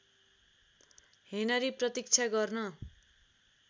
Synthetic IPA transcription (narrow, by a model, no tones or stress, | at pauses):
henʌɾiprʌt̪ik̚t͡sʰaɡʌrnʌ